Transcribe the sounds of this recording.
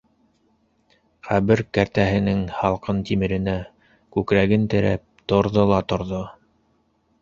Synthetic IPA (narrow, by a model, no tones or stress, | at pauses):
qæβɘɾkæɾt̪æɦɘ̆nɘŋhɑlˠqɤnt̪imɘ̆ɾɘ̆næ | kʉkɾæɣɘnt̪ɘ̆ɾæ̰p̚t̪ŏɾðolˠɑt̪ŏɾðo